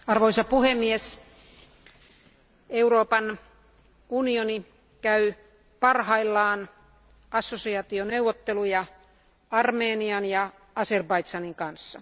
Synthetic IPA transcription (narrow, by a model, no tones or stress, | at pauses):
ɑrʋoisɑpuhemːies | euroːpɑn | unioni | kæy | pɑrhɑilːɑːn | ɑsːosiɑt̪ioneuʋːot̪ːelujɑ | ɑrmeːniɑnjɑ | ɑserbɑit̪sɑniŋkɑnsːɑ